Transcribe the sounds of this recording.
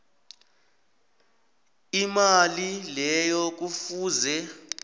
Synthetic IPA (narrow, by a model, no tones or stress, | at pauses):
imalilɛjɔk̬ufuːzɛ